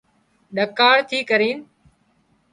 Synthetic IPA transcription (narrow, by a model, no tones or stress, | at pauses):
ɗəkaːɽt̪ʰiːkəɾĩːn